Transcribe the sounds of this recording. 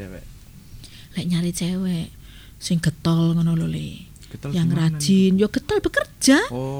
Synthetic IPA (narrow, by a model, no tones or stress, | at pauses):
lɛʔɲaɾit͡ʃɛwɛʔ | sɪŋɡ̥ət̪ɔlŋənololḭ | jaŋrḁʒ̥ɪnjoɡ̥ə̤t̪ɔlb̥ə̤kər̥ʒ̥a